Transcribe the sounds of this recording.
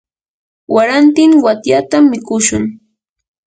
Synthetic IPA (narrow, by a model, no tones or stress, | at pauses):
waɾant̪ɪŋwat̪jat̪amːɪkʊʃʊŋ